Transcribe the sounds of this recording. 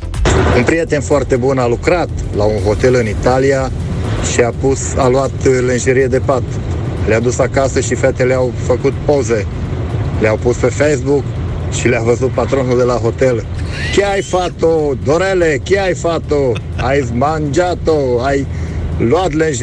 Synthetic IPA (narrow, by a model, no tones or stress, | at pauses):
unpɾijet̪e̞nfoart̪e̞bunalukɾat̪ | launɦo̞t̪e̞lɨnit̪alija | ʃiapusalwat̪lenʒeɾijed̪e̞pat̪ | lead̪usakasəʃifet̪eleawfəkut̪powze̞ | leawpuspe̞fejs̬buk | ʃileavəzut̪̚pat̪ɾo̞nuld̪e̞laɦo̞t̪el | kʲeajfat̪od̪oɾelekʲeajfat̪o | ajmand͡ʒat̪oajluat̪lenʒ